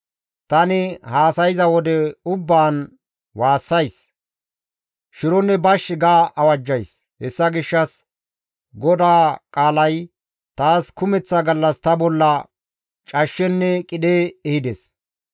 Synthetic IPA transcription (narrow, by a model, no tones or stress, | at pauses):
t̪ɐnɪhaːsɐjɪzɐwɔd̪ɛʊbːaːn | waːsːɐjs | ʃɪɾɔnːɛbɐʃːɪɡaːʔɐwɐd͡ʒːɐjs | hɛsːɐɡɪʃːɐs | ɡɔd̪aːkʼaːlɐj | t̪aːskʊmɛt͡sːɐɡɐlːɐst̪ɐbɔlːɐ | t͡ʃʼɐʃːɛnːɛkʼɪɗeːɛhɪd̪ɛs